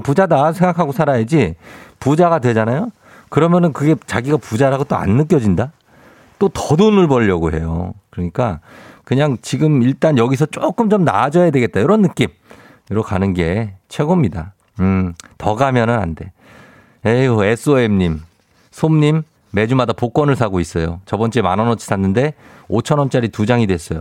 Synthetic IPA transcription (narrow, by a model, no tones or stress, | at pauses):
pud͡ʑadasʰe̞ŋɡakʰaɡosʰaɾajed͡ʑipud͡ʑaɣadwe̞d͡ʑanajo | kɯɾʌmjʌnɯnkɯɡe̞t͡ɕaɡiɡapud͡ʑaɾaɡot͈oa̰nːɯk͈jʌd͡ʑinda | t͈otʌdonɯɭbʌʎːʌɡoɦe̞̰jo̰kɯɾʌɲik͈akɯɲaŋt͡ɕiɡɯmiɭt͈anjʌɡisʰʌt͡ɕ͈ok͈ɯmt͡ɕomna̰d͡ʑʌjadwe̞ɡe̞t̚t͈ajoɾʌnːɯk͈im | ʌɾʌk͈ʰanɯnɡe̞t͡ɕʰwe̞ɡomɲida̰ | ɯtʌɡamjʌnɯna̰nde̞ | ees͈ʰɯemɲim | sʰomɲimː | e̞d͡ʑumadapok͈wʌnɯɭsʰaɡois͈ʌjot͡ɕʌbʌnt͡ɕ͈emanʌnʌt͡ɕʰi̥sʰanːɯnde̞ | ot͡ɕʰʌnwʌnt͡ɕ͈aɾitud͡ʑaŋidwe̞s͈ʌjo